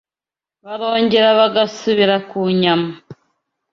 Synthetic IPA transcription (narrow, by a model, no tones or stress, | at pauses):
βaɾoːɲɟeɾaβaɡasuβiɾakuɲama